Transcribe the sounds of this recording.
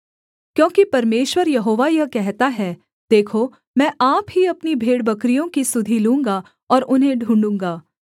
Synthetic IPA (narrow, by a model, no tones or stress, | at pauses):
kjõːkipɐɾmeːʃwəɾjɐɦoːʋajɐɦkɛɦt̪aɦɛː | d̪̥eːkʰo | mɛ̃ːʔaːpɦiɐpnibʱeːɽbɐkɾijõkisʊd̪ʱilũːŋɡa | ɔːɾʔʊnɦẽɖʱũːɳɖũːŋɡaː